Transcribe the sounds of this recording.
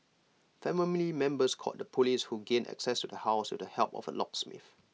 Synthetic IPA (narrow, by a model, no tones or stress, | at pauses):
fɛmmilimɛ̃mbəskʰɔ̰t̚dəpʰolishuɡẽnʔɛ̰ksɛstudəhaʊstudəhɛlpɔ̰fə̰lɔ̰ksmɪ̰f